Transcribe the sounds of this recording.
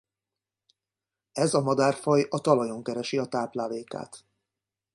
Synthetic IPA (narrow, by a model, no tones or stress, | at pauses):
ɛzɒmɒd̪aːrfɒjɒt̪ɒlɒjo̞ŋkɛɾɛʃiɒt̪aːplaːleːka̰ːt̪